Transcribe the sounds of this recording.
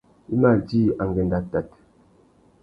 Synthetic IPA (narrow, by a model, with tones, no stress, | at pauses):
i˦ma˦˨ldi˦a˨ŋɡɛ˨nda˨ta˨t